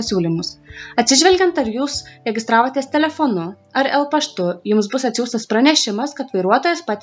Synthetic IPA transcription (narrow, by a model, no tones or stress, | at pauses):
ɐsʲuːlʲimʊsɐt̪ʲsʲɪʒʲʋʲɛlʲɡʲɛnt̪ɐɾjuːsɾʲɛɡʲɪst̪ɾɑːʋoːt̪ʲiːst̪ʲɛlʲɛfoːnʊ | ɐɾɛlˠpɐʃt̪ʊjʊmsbʊsɐt̪ʲsʲuːst̪ɐspɾɐnʲɛʃʲɪmɐskɐt̪ʋɐɪɾuɔt̪oːjɛspɑːt̪ʲ